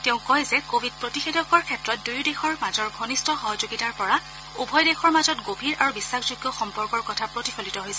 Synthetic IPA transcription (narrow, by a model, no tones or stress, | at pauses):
teʊ̃kɔjzɛkobʱid̚pɹotixedɔkɔɹkʰɛtɹɔt̚dujdexɔɹmazɔɹɡʱonistʰɔxɔɦɔzoɡitaɹpɔɹa | ubʱɔjdexʰɔɹmazɔtɡobʱiɹʔaɹubisːaxzuɡjɔxɔmpɔɹkɔɹkɔtʰapɹotifʰolitɔɦojsɛ